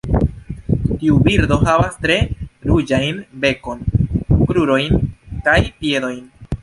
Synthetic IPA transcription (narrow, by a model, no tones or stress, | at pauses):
t̪iubiɾd̪o̞havast̪ɾe̞ɾud͡ʒajnbe̞ko̞nkɾuɾo̞jnkajpje̞d̪o̞jn